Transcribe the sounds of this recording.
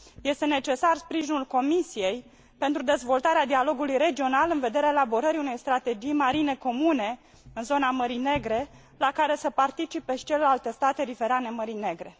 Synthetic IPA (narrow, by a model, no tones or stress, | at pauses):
je̞st̪e̞ne̞t͡ʃe̞sarspɾiʒinulko̞misije̞j | pe̞nt̪ɾud̪e̞zvo̞lt̪aɾead̪ialo̞ɡulujre̞d͡ʒio̞nalɨnve̞d̪e̞ɾeaelabo̞ɾəɾiune̞jst̪ɾat̪e̞d͡ʒijmaɾine̞ko̞mune̞ | ɨnzo̞naməɾine̞ɡɾe̞ | lakaɾe̞səpart̪it͡ʃipeʃi̥t͡ʃelelalt̪e̞st̪at̪e̞ɾive̞ɾane̞məɾine̞ɡɾe̞